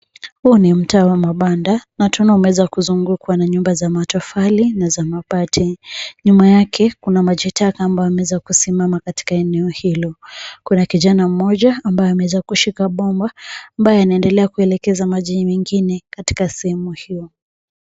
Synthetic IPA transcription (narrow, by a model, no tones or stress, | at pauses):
huːnim̩taːwamaɓandanatunaumɛwɛzakuzuŋɡukwanaɲumbazamatɔfalinazamapatʰiɲumajakʰɛkunamaʄitakaːmbajɔamɛwɛzakusimamakati̥kaɛnɛɔhilɔkunakiʄanam̩mɔʄaːmbajɔamɛwɛzakuʃikaɓɔmbaːmbajɔjanaɛndɛlɛakuɛlɛkɛzamaʄimɛŋɡinɛkati̥kasɛhɛmuhijɔ